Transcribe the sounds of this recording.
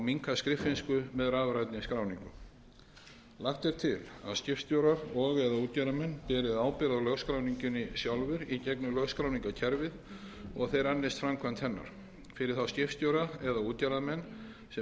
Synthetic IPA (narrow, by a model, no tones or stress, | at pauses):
awmiŋkaskɾɪfɪnskʏmɛðɾaːvɾajt̪nɪskɾaːwniŋkʏ | laxt̪ɛɾ̥t̪ʰɪla̰ðscɪftst̪jowɾaɾɔɣɛðauːt̪jaɾamɛnːpɛːɾɪðaːwpɪɾaalœɣskɾaːwniɲcʏnɪsjawlvʏɾicɛknʏlœɣskɾawniŋkacʰɛɾvɪð | ɔɣθejɾanːɪst̪fɾamkʰvant̪ʰhɛnːa̰ɾ̥ | fɪɾɪɾ̥θawscɪftst̪jowɾaɛðauːt̪jaɾamɛnː | sɛ